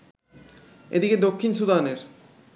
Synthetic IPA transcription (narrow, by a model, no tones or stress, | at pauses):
ḛd̪iked̪okʰːinsud̪aneɾ